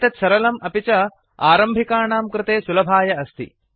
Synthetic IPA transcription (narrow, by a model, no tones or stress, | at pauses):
t̪ɐt̪sɐɾɐlɐmɐpit͡ʃɐ | aːɾɐmbʱikaːɳaːmkɾɪt̪eːsulɐbʱaːjɐɐst̪ḭ